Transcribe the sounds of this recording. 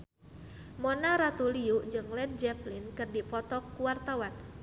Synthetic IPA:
mɔnaɾat̪uliuʔd͡ʒɨŋlɛd̚d͡ʒɛplinkɨrdipɔt̪ɔkuwart̪awan

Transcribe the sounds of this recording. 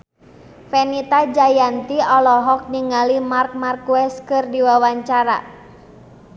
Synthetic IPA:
fɛnit̪ad͡ʒajant̪iɔlɔɦɔk̚niŋalimark̚markuwɛskɨrdiwawaɲt͡ʃaɾa̰

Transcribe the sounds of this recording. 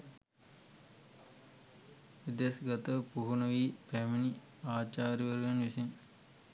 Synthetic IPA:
ʋid̪esɡɐt̪ɐpuɦunɐʋiːpɛmini | aːt͡ʃaːɾiʋɐɾuʋɐnʋisin

